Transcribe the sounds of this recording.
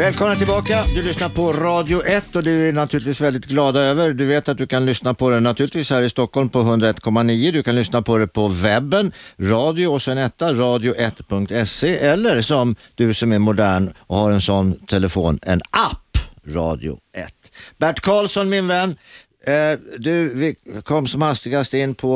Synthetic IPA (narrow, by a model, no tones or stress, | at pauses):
vɛːlkʰɔmnat̪ʰɪlbɑːkad̪ɵlʏsnaɾpʰɔɾɑːd̪jʊʔɛt̪ːɔd̪ɵænat̪ʰʉːɾɪt̪viːsvɛld̪ɪt̪ɡlɑːd̪aøːvəɾd̪ɵveːt̪at̪̚d̪ɵkʰanlʏsnapʰɔd̪ɛnat̪ʰʉɾɪt̪viːshæːɾɪst̪ɔkːɔlmpʰɔɦɵnd̪ɾaɛt̪ːkʰɔmːaniːəd̪ɵkʰanlʏsnapʰɔd̪ɛpʰɔvɛbːənɾɑːd̪ɪʊɔsɛnɛt̪ːaɾɑːd̪ɪʊʔɛt̪ːpʰɵŋk̚t̪ɛsːeʔɛlːəɾsɔmd̪̥ɵsɔmæɾmʊd̪æːɳɔhaɾɛnsɔnːt̪ʰɛləfo̰ːnɛ̰nʔapːɾɑ̰ːd̪ɪ̰ʊ̰ɛ̰t̪ːbæʈːkʰɑːlsɔnmɪnvɛnː | d̪ɵvɪkʰɔmːsɔmhast̪ɪɡast̪əɪnːpʰɔ